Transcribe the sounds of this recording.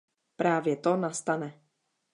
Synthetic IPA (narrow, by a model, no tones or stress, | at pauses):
pɾaːvjɛt̪onast̪anɛ